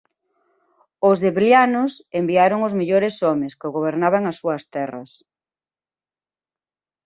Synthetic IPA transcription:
ʊzðeβljanʊsembiaɾoŋozmeʎoɾesɔmɪskɪoɣoβ̞eɾnaβ̞aŋɐsːuɐst̪ɛrɐ̰s

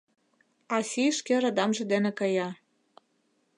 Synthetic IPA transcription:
ɑsʲiʃkeɾɑd̪ɑmʒĕd̪enĕkɤjɑ

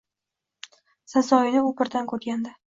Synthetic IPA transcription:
sasɒjɪnɪupɪɾd̪ankʲʰɵɾt̪̚ɡʲand̪ɪ

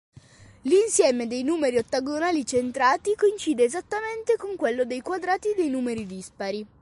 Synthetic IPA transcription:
linsjɛːmed̪ejnuːmeɾiot̪ːaɡonaːlit͡ʃent̪ɾaːt̪ikoint͡ʃiːd̪eːzat̪ːament̪ekoŋkwelːod̪ejkwad̪ɾaːt̪id̪ejnuːmeɾid̪ispaɾi

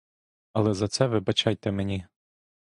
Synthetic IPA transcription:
ɐlˠɛzɐt̪sɛʋɪbɐt͡ʃɑjt̪ɛmenʲi

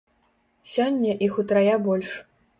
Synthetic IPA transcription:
sʲɔnʲːɐʔixut̪ɾajabɔlʲʂ

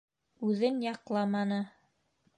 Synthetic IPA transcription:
ʉðɘnjɑqlˠɑmɑnɤ

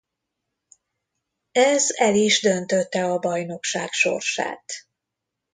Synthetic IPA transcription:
ɛzɛliʒd̪ønt̪øt̪ːɛɒbɒjno̞kʃaːkʃo̞̰rʃa̰ːt̪

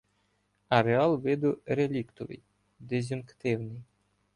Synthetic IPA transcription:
ɐɾeɑlˠʋɪd̪ʊɾelʲikt̪ɔʋɪ̰j | d̪ezʲʊnkt̪ɪwnɪj

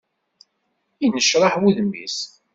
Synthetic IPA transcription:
inəʃɾˤɑħwuðmːḭs

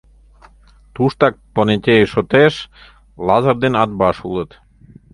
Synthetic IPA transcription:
t̪uʃt̪ɑk̚ponet̪ʲejʃot̪eʃ | lɑzərd̪enɑd̪̚bɑʃulət̪

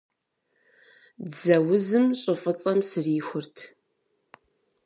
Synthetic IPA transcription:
dzɐwʊzɨmɕʼɨfʼɨt͡sʼɐmsɨrixʷʊrtʰ

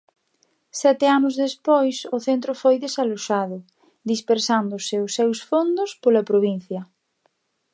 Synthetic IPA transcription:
sɛt̪ɪanʊzðespojsʊθent̪ɾʊfojðesaloʃaðʊ | ðispeɾsand̪ʊsɪʊsːɛwsfond̪ʊspolɐpɾoβ̞in̟θjɐ

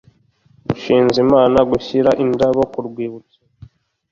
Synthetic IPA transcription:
ɡuʃiːnzimaːnaɡuçiɾaʔindaβokuɾɡwiːβut͡sḁ

